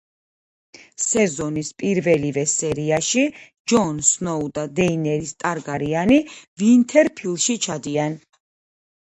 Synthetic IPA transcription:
sɛzɔnispʼiɾvɛlivɛsɛɾiaʃi | d͡ʒɔnsnɔud̪ad̪ɛinɛɾist̪ʼaɾɡaɾianivint̪ʰɛɾpʰilˠʃit͡ʃʰad̪ian

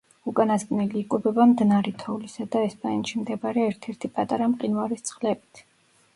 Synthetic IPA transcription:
ukʼanasɡnɛliːkʼubɛbamd̪naɾɛt̪ʰɔulisad̪aɛspʼanɛt̪ʃimd̪ɛbaɾɛːɾt̪ʰɛɾt̪ʰipʼat̪ʼaɾamqʼinvaɾist̪sʰʼχlɛbit̪ʰ

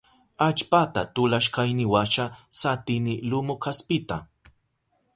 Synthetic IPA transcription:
at͡ʃpat̪at̪ʊlaʃkajnɪwaʃasat̪ɪnɪlʊmʊkʰaspɪt̪a

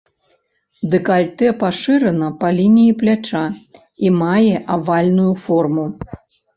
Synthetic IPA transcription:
d̪ɨkalʲt̪ɛpaʂɨɾɐnɐpɐlʲinʲijiplʲat͡ʂa | imajɛʔavalʲnujufɔrmu

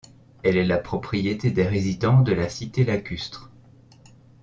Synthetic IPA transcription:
ɛlɛlapχɔpχijet̪ed̪ɛʁezid̪ɑ̃d̪əlasit̪elakʲyst̪χ

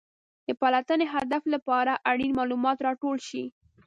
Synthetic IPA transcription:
d̪̥əpalat̪əneɦad̪aflapɑɾaʔaɽinmɑlumɑt̪ɾɑʈolʃi

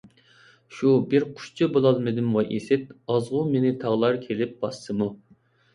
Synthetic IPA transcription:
ʃubɪɾqʰʊ̥ʃt͡ʃʰɨbolˠɑlˠmɨd̪ɪmwɑʔesɪt̪ɑzʁʊmenɪt̪ʰɑʁlˠɑɾkʲʰelɪp̚bɑsɨmu

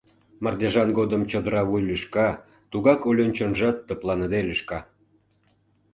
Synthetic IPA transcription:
mɑrd̪ʲeʒɑnɡod̪əmt͡ɕəd̪əɾɑβujlyʃkɑ | t̪uɣɑkolʲont͡ɕonʒɑt̪ːə̆plˠɑnəd̪elʲyʃkɑ

